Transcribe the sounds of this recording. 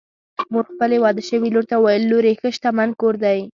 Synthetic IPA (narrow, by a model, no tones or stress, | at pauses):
muɡxpəlewɑd̪əʃəwiloɾt̪awajəlːoɾexəʃt̪amankoɾd̪aj